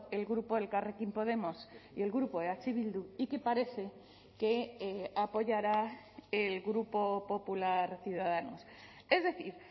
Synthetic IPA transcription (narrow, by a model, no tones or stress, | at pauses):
e̞lɣɾupo̞ðelkarekimpo̞ð̞e̞mosie̞lɣɾupo̞ðeat͡ʃiβild̪uike̞paɾe̞θe̞ | keapo̞ʝaɾa | elɣɾupo̞po̞pulaɾθjuðaðanos | e̞zðe̞θiɾ